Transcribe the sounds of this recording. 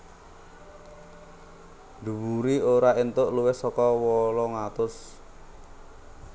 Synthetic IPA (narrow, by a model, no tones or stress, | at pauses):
d̪̥ṳwuɾioɾaint̪ʊʔluwɪhsɔkɔwɔlɔŋat̪ʊs